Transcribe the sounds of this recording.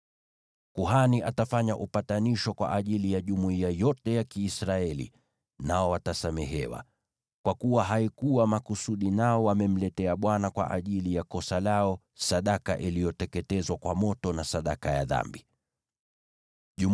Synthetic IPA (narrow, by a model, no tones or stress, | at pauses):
kuɦaniʔatafaɲaʔupataniʃɔkwa̰ʔaʄilijaʄumuiajɔtɛjakiːsɾaɛlḭ | naɔwatasamɛɦɛ̰wa̰ | kwakuwaɦaikuwamakusuɗinaɔwamɛm̩lɛtɛaɓwanakwa̰ʔaʄilijakɔsalaɔ | saɗakaʔilijɔtɛkɛtɛzwakwamɔtɔnasaɗakaja̰ða̰mbi | ʄu